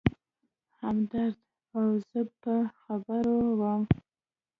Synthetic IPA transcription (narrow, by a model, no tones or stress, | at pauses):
hamd̪aɾd̪ | awz̥əpəxabəɾowəm